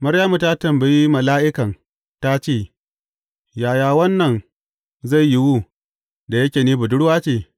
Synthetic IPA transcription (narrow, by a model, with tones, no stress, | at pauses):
mɐ˦ɽjaː˦mu˨ta˦tɐ˨mbɐ˨ji˦mɐ˨laː˦ʔɪ˦kɐ˨n | ta˦t͡ʃeː˦˨ | jaː˨jaː˨wɐ˦nːɐ˨n | za˦˨jji˦wuː˦ | da˨jɐ˦kʲeː˨niː˦bʊ˨dʊ˦ɽwaː˦t͡ʃeː˨